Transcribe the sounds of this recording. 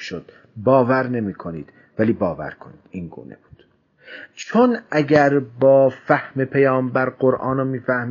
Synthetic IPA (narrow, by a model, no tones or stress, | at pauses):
ʃod̪̥ | bɒːvæɾne̞miːkʰoniːd̪̥ | væliːbɒːvæ̰ɾkʰoniːd̪̥inɡṵːnḛb̥u̥ːd̪̥ | t͡ʃʰonæɟæɾbɒːfæhme̞pʰejɒːmbæɾɢoɾʔɑːnɑmiːfæhm